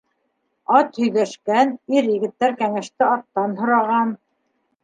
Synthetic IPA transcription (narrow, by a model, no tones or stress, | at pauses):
ɑt̪hɵ̆jðæʃkæniɾjɘ̆ɡɘ̆t̪ːæɾkæŋæʃt̪ɘɑt̪ːɑnɦŏɾɑʁɑn